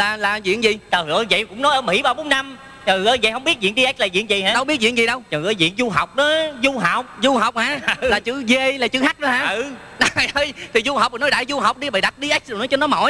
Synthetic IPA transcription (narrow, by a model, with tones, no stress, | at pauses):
laː˨˩laː˨˩zwḭ˧˨ənzi˨˩t̪əː˨˩hɨ˨˧˩ə˨˧zə̰˧˨jkʊ̰˧˥ŋ͡mnɔ˨˦jʔəː˧˦mḭ˧˥ɓaː˧wɓo˨˦nːa˧m | t͡ɕəː˨˩ŋɨ˧˩˦ə˧zə˧˨hə˧wŋ͡mɓi˦˥ət̚zwḭ˧˨nɗi˧a˦˥k̟̚laː˨˩zḭ˧˨ənzḭ˨˩haː˧˦ɗə˧wɓi˦˥ət̚wḭ˧˨ənzi˨˩ɗə˧wt͡ɕɔː˨˩ŋɨ̰˨˧˨ə˨˦jzḭ˧˨ənzu˧ɦa˨˩wk͡p̚ɗɔ˨˦zu˧ɦa˨˩wk͡p̚zu˧ɦa˨˩wk͡p̚haː˨˧˦laː˨˩t͡ɕɨ˧˥˦ɣe˧laː˨˩t͡ɕɨ˧˦ɦa˦˥k̚ɗɔ˨˦haː˧˨ə˧˨˩ | ɗa˨˩˨jʔəː˧jt̪ʰi˨˩zu˧hɦa˨˩wk͡p̚ːnɔ˨˦jɗaː˧˩jzu˧ɦa˨˩wk͡p̚ɗi˧ɓəː˨˩ɗa˨˩t̚ɗi˧ʔa˦˥jk̚ɗnɔ˨˦jt͡ɕɔ˧nːɔ˨˦mo̰˧˦j